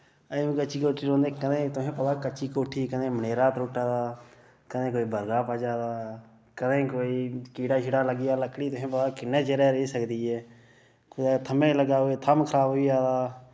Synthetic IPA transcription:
əũːkət͡ʃiːkoːʈʰiːɾõːnd̪eːkəd̪ẽːt̪ʊɦẽːpəd̪aːkət͡ʃiːkoːʈʰiːkəd̪ẽːməneːɾaːt̪ɾoːʈaːd̪aː | kəd̪ẽːkoːiːbəɾɡaːpəːd͡ʒaːd̪aː | kəd̪ẽːkoːiːkiːɽaːʃʰɪɽaːləɡɪjaːləkɽiːt̪ʊɦẽːp̬əd̪aːkɪnːeːt͡ʃeɾɛːɾeisəkd̪iːɛː | k̪ːt̪ʰəmẽːləɡaːoeːt̪ʰəmkʰəɾaːbiːaːd̪aː

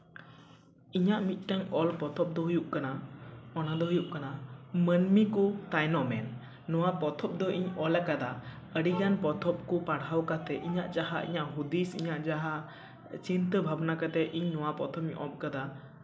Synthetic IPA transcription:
iɲaʔmit̪̚ˀʈaŋɔlpɔt̪ʰɔp̚d̪ɔɦujuʔkanaɔnad̪ɔɦujuʔ̚kanamənmikut̪ajnɔmɛnː | ɔwapɔt̪ʰɔp̚d̪ɔʔiɲɔlɛkad̪a | əɽiɡanpɔt̪ʰɔp̚kupaɽɦawkat̪ɛʔiɲaʔd͡ʒaɦa̰ʔḭɲaʔɦud̪isḭɲaʔd͡ʒaɦa | t͡ʃint̪əbʱabnakat̪ɛʔiɲnɔwapɔt̪ʰɔmiɲʔɔp̚kad̪a

